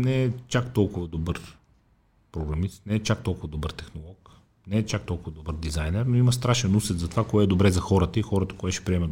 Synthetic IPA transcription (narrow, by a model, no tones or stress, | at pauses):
nɛɛt͡ʃakt̪ɔlˠkʊvəd̪obəɾ | pɾoɡɾɐmist̪nɛɛt͡ʃak̚t̪ɔlˠkʊvəd̪obəɾt̪ɛxnolˠɔk | nɛːt͡ʃak̚t̪ɔlˠkʊvəd̪obəɾd̪izajnɛɾnoimɐst̪ɾaʃɛnusɛt̪zɐt̪ovakoɛɛd̪obɾɛzɐxɔɾət̪əixɔɾət̪ə̥koɛt̪ʃɛ̥pɾiɛmə